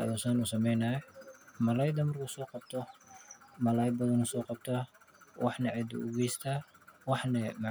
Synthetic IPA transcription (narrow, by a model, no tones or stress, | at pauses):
ɐ̰jusanʊsɐmɛjnaːjmɐlɐjd̪ɐmɐrkʰusɔːqɑb̚t̪ʰɔ | mɐlaːjbɐðɐnɔsɔːqɑbt̪ʰa | wɑħnɐʕɛd̪ʊ̰ʔʊ̰ɡɛjst̪ʰaːwɑħnɐmɑ